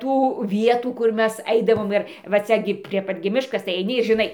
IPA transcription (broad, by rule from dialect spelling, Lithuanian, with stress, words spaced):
ˈtuː ˈʋʲiɛtuː kʊr ˈmʲɛs ˈɐɪdɐʋoːm ˈɪr ʋɐ ˈt͡sʲɛ ɡʲɪ pʲrʲiɛ ˈpɐt ɡʲɪ ˈmʲɪʃkɐs tɐɪ ɐɪˈnʲɪ ɪr ʒʲɪˈnɐɪ